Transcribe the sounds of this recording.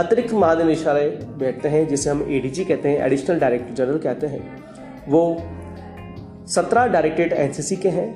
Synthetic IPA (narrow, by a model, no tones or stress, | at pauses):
ɐt̪ɾɪkmɐɦaːd̪enɪʃaːɾebɛːʈʰt̪eɦɛ̃d͡ʒɪseɦɐmeːɖiːd͡ʒikɛɦt̪eɦɛ̃ʔɛ̰ɖɪʃnəlɖaːɾeːk̚ʈəɾd͡ʒɐɾəɾəlkɛɦt̪eɦɛ̃ː | ʋoː | sɐt̪ɾaɖaːɾeːk̚ʈɪɖɛ̰ːnsiːsikeɦɛ̃ː